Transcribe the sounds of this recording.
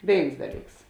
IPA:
ˈʋʲeːɪns ˈdɑːˌlʲiːks

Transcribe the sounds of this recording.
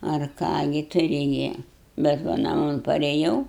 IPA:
ɐr ˈkɑː ɡʲɪ ˈtʊrʲɪ ɡʲɪ bʲɛt ˈʋɐ nɐˈmoːn pɐrʲɛˈjɛʊ

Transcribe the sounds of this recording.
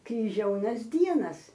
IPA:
krʲɪˈʒʲɛʊnɐs ˈdʲiɛnɐs

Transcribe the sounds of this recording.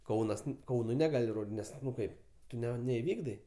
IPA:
ˈkɐʊnɐs ˈkɐʊnʊɪ nʲɛˈɡɑːlʲɪ ˈnʲɛs ˈnʊ ˈkɐɪp ˈtʊ nʲɛɪˈʋʲiːɡdɐɪ

